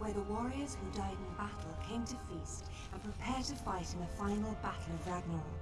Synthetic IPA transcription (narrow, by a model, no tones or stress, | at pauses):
wəðəwɔɹiəz̥hudaɪdɪ̃n̩əbatʰˡəl̩ˠkʰẽɪ̃mtʰəfiˑst | ə̃npʰɹ̥ɪpʰɛːd̚tʰəfaɪtɪ̃nəfãɪ̃nl̩ˠbatʰˡl̩ˠəvɹaɡ̚nə̃n